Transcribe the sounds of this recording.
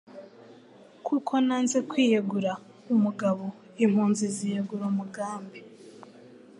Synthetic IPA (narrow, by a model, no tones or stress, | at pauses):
kʰukʰo̞naːnze̞kwiːjeɡuɾa | umuɡaβo | im̥huːnzizijeɡuɾumuɡaːmbe